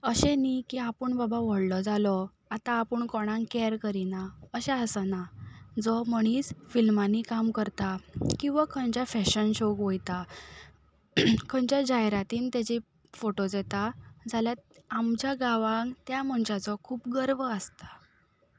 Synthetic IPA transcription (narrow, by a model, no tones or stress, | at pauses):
əɕenikiapəɳbabaʋəɽlɔd͡zalɔ | at̪aːpəɳkɔɽ̃ãŋkɛɾkəɾinaəɕeəsənad͡zɔm̤əɽ̃iːt͡sfilmanikamkəɾt̪akĩw̃ʋakʰənt͡ɕafɛɕənɕokʋojt̪a | kʰəɲt͡ɕjad͡ʑajɾat̪iːnt̪jat͡ɕi | foʈod͡zɛt̪ad͡zʱaljaamt͡ɕjaɡaʋãŋɡt̪jam̤əɳɕat͡sɔkʰuːpɡəɾʋəəst̪ḁ